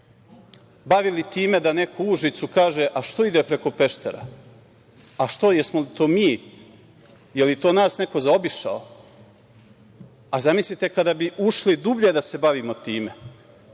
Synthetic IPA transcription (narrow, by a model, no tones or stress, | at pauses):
baʋilit̪iːme̞d̪ane̞kouʒit̪sukaːʒe̞ʔaʃt̪o̞id̪epɾe̞ko̞pe̞ʃt̪ḛɾa̰ | aʃt̪o̞jesmolit̪o̞ːmiː | jeljt̪o̞ːnaːsne̞ko̞zao̞biʃa̰o̰ | azamislit̪e̞kad̪abiʔuʃlid̪ubʎed̪ase̞baʋiːmo̞t̪iːme̞